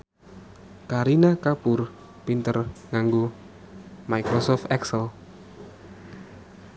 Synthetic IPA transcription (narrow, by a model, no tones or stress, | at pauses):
kaɾinakapʊr | pint̪ərŋaŋɡo | maijkɾɔsɔft̪ɛksəl